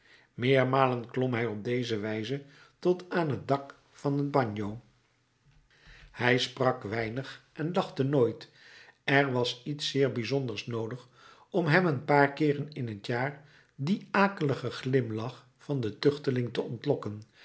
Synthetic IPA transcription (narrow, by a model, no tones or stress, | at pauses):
mɪːɹmaːlənklɔmɦɛjɔb̚dejzəʋɛjzə | tɔtaːnɦət̚dɑk | fɑnəd̚bɑɲow | hɛjsprɑkʋɛjnəχʔɛndɑχtənoːjt | ɛɹʋɑsitsɪːɹbizɔndəɹsnowdəχ | ɔmɦɛmənpaːɹkɪːrənɪnɦətjaːɹ | diaːkələχəχlɪmlɑχ | fɑndətʏχtəlɪŋtəɔntlɔkən